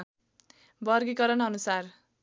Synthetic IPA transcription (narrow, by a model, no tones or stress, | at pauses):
bʌrɡikʌɾʌnʌnusar